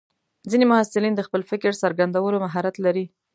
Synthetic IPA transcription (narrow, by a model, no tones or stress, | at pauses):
zinemʊhasɪlind̪əxpəlfɪkɾsaɾɡand̪awəɾomaɦaɾat̪laɾi